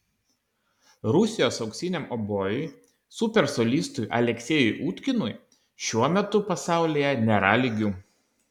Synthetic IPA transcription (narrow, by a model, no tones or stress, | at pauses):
ɾʊsʲɪjoːsɒʊksʲinʲɛmɔboːjʊj | sʊpʲɛɾsɔlʲiːst̪ʊjʔɐ̰lʲɛksʲeːjʊɪʔuːt̪ʲkʲɪnʊj | ʃʲuɔmʲɛt̪ʊpɐsɑˑʊlʲejɛnʲɛɾaːlʲiɡʲuː